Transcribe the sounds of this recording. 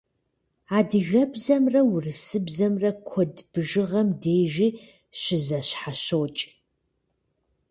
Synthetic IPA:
aːdɨɣɐbzɐmrɐwʊrɨsɨbzɐmrɐkʷʰɔdb̥ɨʒɨʁɐmdeːʒiː | ɕɪzɐɕħaɕowt͡ʃʼ

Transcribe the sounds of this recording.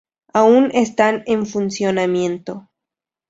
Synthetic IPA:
aunest̪aneɱfunsjo̞namjẽ̞nt̪o̞

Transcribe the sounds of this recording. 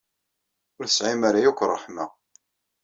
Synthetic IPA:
ʊɾθə̥sʕɪmaɾajukʷːrˤːɑħma

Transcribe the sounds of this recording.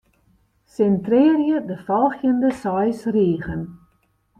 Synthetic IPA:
sɛntrɪːərjədəfɔlˠxjəndəsɔjsriːɣən

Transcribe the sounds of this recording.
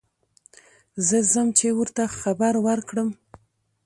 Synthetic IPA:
zəzəmt͡ʃewəɾt̪axabaɾwəɾkɽəm

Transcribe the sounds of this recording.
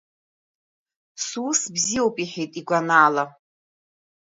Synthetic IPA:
suːsbzijowpʼiħejtʼiɡʷanaːla

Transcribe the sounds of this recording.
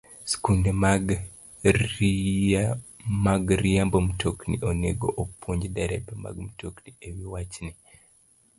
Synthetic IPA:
skundemaɡ | maɡɾijambom̩toknḭʔoneɡoʔopwoɲd͡ʒdɛɾɛbɛma̰ɡm̩tokniewiwat͡ʃni

